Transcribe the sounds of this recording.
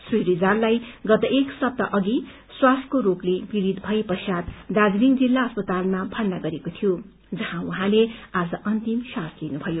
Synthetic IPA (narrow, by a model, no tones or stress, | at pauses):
srijɾid͡zarlajɡʌt̪ʌʔeksʌb̚t̪ʌʔʌɡi | swaskoɾoklebiɾid̪bʱʌipʌsjat̪d̪ad͡zliŋd͡zilːaʌspʌt̪almabʱʌrnaɡʌɾekot̪ʰijo | d͡zʌɦãwuɦãlead͡zʌʔʌnt̪imsãslinubʱʌjo